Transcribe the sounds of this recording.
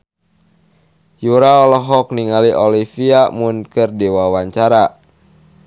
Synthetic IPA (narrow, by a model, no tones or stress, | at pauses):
juɾaɔlɔɦɔk̚niŋaliʔɔlifiamunkɨrdiwawaɲt͡ʃaɾa